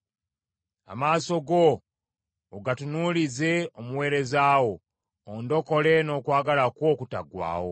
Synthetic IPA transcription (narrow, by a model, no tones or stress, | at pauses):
a̰maːso̞ɡo̞ː | ɡatunulize̞omuwe̞ːɾe̞zaːwo̞ː | ndo̞ko̞le̞no̞ːkwaːɡalakwo̞kuta̰ɡwa̰ːwo̞̰